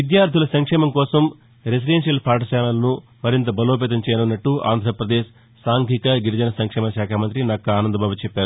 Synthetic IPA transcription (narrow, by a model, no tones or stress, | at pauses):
ʋid̪jaːɾt̪ʰilɐsɐŋkʂɛːmɐmkɔːsɐm | ɾes̬idenʂɐlpʰaːʈɐsaːnɐlɐnumɐɾint̪ɐbɐloːpeːt̪̬ɐɲt͡ʃɛːjɐnunːɐʈːuʔa̰ːnd̪ʱɾɐpɾɐd̪eːʃ | saːŋɡʱikɐɡiɾɐd͡ʒɐnɐsɐŋkʂɛːmɐʃaːkʰaːmɐnt̪ɾinakːɐaːnɐnd̪ɐbaːbut͡ʃɛpːaːɾu